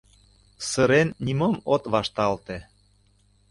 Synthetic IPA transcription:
səɾenːʲimɤmot̪βɑʃt̪ɑlt̪ĕ

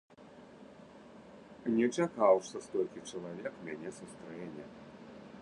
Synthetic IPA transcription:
nʲɛt͡ʃakawʂsɐst̪ɔlʲkʲit͡ʂɐlˠavʲɛkmʲanʲɛsust̪ɾɛnʲɛ

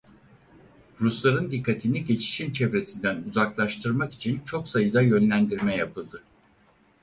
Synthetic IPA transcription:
ɾuslˠaɾɯnd̪ikʰːat̪ʰiniɟe̞t͡ʃʰi̥ʃint͡ʃʰevɾe̞sind̪ænuzaklˠaʃt̪ʰɯɾmaki̥t͡ʃʰint͡ʃʰo̞ksajɯd̪ajø̞nlʲænd̪iɾmɛjapʰɯlˠd̪ɯ

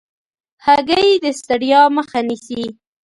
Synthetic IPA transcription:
haɡəjd̪əst̪aɽjɑməxanisi

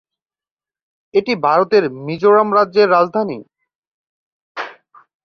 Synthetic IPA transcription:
eʈibʱaɾot̪eɾmid͡ʑoɾamɾadːʑeɾːad͡ʑd̪ʱani

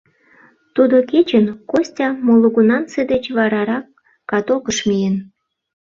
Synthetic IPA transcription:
t̪ud̪oket͡ɕənkosʲtʲɑmolˠuɣunɑnt͡sed̪et͡ɕβɑɾɑɾɑkː | ɑt̪okəʃmʲijən

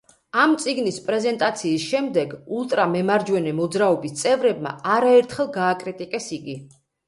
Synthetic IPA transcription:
amt̪sʼiɡnispʼɾɛzɛnt̪ʼat̪sʰiːsʃɛmd̪ɛɡulˠt̪ʼɾamɛmaɾd͡ʒwɛnɛmɔd̪zɾaɔbist̪sʼɛvɾɛb̚ma̰aɾaɛɾt̪ʰχɛlˠɡaːkʼɾit̪ʼikʼɛsiɡi

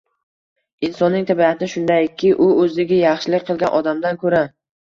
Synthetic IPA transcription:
ɪnsɒnːɪŋt̪ʰabiat̪ʰɪnɪʃʊnd̪ajkʲʰːɪʔʊɵzd̪ɪɡʲajɑχʃɪlɪk̚ʲqʰɨlˠɡʲanʔɒd̪amd̪ankʰɵɾa

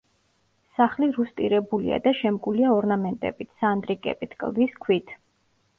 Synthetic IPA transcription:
saχliɾust̪ʼiɾɛbulḭa̰d̪aʃɛmɡuliaɔɾnamɛnt̪ʼɛ̰bit̪ʰsand̪ɾikʼɛ̰bit̪ʰkʼlˠviskʰwit̪ʰ

